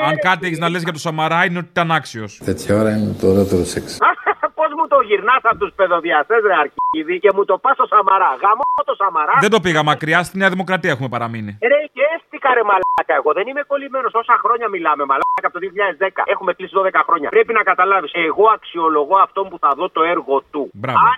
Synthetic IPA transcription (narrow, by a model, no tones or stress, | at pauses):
ɐŋkɐt̪ieçiznɐlezʝɐt̪osɐmɐɾɐineo̞t̪it̪ɐnɐksio̞̰st̪et̪çaoɾɐinet̪oɾeot̪eɾosekspo̞zmut̪o̞ʝiɾnɐsɐpot̪uspe̞ðo̞ðiɐst̪ezɾeɐɾciðice̞mut̪o̞pɐst̪o̞sɐmɐɾɐɣɐmoot̪o̞sɐmɐɾɐððe̞nd̪o̞piɣɐmɐkɾiɐst̪ineɐðimo̞kɾɐt̪iɐexume̞pɐɾɐminiɾeest̪ikɐɾemɐlɐkɐeɣo̞ðe̞nimeko̞lime̞no̞so̞sɐxɾo̞ɲɐmilɐme̞mɐlakɐpot̪ðioçiʎɐezðe̞kɐ̰e̞xume̞klisiðo̞ðekɐxɾo̞ɲɐ̰pɾe̞pinɐkɐt̪ɐlɐviseɣo̞ɐksio̞lo̞ɣo̞ɐft̪o̞mpuθɐðo̞t̪o̞e̞ɾɣo̞t̪ubɾɐa